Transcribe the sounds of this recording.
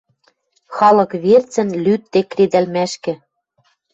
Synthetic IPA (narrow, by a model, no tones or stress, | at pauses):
xɑlɤ̆kβert͡sɘ̆nlyt̪ːekred̪ælmæʃkɘ̆